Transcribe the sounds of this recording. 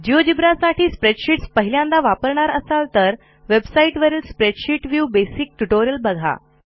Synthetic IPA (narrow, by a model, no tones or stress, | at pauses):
d͡ʑiʋod͡ʑibɾasaʈiːspɾeʈɕiʈspəɦiljãnd̪aʋapəɾɳ̃aɾəsalt̪əɾ | ʋebsaiʈʋəɾiːlspɾeɖɕiʈʋjubesik̚ʈuʈoɾijəlbəɡʱa̰